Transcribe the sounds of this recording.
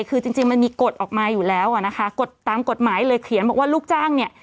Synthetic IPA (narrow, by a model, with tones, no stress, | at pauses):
jkʰɯː˧t͡ɕi˧ŋt͡ɕi˧ŋma˧nmiː˧ko˨˩t̪̚ʔɔː˨˩k̚maː˧juː˨˩lɛː˦˥wʔa˨˩na˦˥kʰa˦˥ko˨˩t̪ːaː˨˩mko˨˩t̪̚maː˩˦jlɤː˧jkʰi˨˩˦nbɔː˨˩k̚waː˥˩luː˥˩k̚t͡ɕaː˥˩ŋni˥˩ə